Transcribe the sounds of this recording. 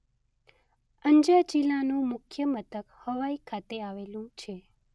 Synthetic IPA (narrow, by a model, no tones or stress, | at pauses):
əɲd͡ʒad͡ʒilanũmʊkʰjəmət̪əkhəʋaikʰat̪eaʋelũt͡ʃʰe